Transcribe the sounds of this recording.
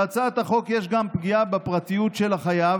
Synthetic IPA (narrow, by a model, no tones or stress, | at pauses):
at͡sat̪haχo̞kjeʃɡampɡijabepʁat̪ijut̪ʃelaχajav